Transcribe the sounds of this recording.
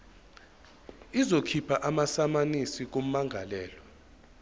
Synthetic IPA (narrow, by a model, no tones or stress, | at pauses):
izokʰipʰaʔamasamanisik̬om̩maŋʱa̰lɛːlɔ